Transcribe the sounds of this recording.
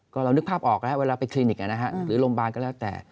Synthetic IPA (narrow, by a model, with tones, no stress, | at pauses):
kɔː˥˩ɾa˧wnɯ˦˥k̚pʰaː˥˩p̚ʔɔː˨˩k̚lɛ˦˥weː˧laː˧pa˧jkʰliː˧ni˨˩k̚ʔa˧˩na˦˥kʰa˦˥ʔɾɯː˩˦lo˧mbaː˧nkɔː˥˩lɛː˦˥˩wt̪ɛ̰ː˨˩